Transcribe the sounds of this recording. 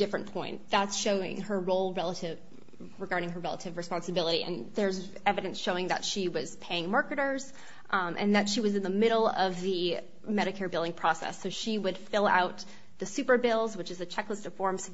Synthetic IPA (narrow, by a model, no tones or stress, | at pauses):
d̥ɪfɹɨ̃npʰɔ̃ɪ̃nðætsʃoʊɪ̰̃ŋə˞ɹoʊlˠɹɛlˠəɾɪv | ɹɨɡɑɹɾɪ̃ŋə˞ɹɛlˠə̰ɾɨvɹɨspɑ̃nsɨbɪlˠəɾḭɨ̰̃nðə˞z | ɛvɨɾɨ̃nsʃoʊɪ̃ŋðɨ̰tʃiwʌz̥pʰeɪɪ̃ŋmɑɹkɨɾə˞z̥ | ʔɨ̰̃nðɨtʃiwʌzɨ̃nðəmɪɾl̩ˠʌvðɨ | mɛɾɨkʰɛɹibɪlˠdɪ̃ŋpʰɹ̥ɔsɛ̰soʊʃiwɨd̥fɪlˠa̰ʊt̪̚ | ðɨsʉpə˞bɪlˠzwət͡ʃɨzɨt͡ʃʰɛkləstʌv̥fɔɹms